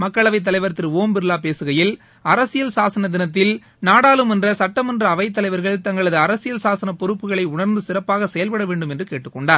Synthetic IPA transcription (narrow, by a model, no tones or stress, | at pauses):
mɐkːɐɭɐʋɐɪt̪̬ːɐlɐɪʋɐɾt̪ːɪɾoːmbɪɾɯlaːpeːsɯɣɐjɪl | ɐɾɐsɪjɐlsaːsɐnɐd̪ɪnɐt̪̬ːɪl | naːɽaːlɯmɛndrɐsɐʈːɐmɛndrɐːʋɐɪt̪̬ːɐlɐɪʋɐɾɣɐɭt̪ɐŋɡɐɭɐðɯɐɾɐsɪjɐlsaːsɐnɐpːɔɾɯpːɯɣɐɭɐɪʊɳɐɾnd̪ɯsɪrɐpːaːɣɐsɛjɐlpɐɽɐʋeːɳɖɯmɛndrɯkeːʈːɯkːɔɳɖaːɾ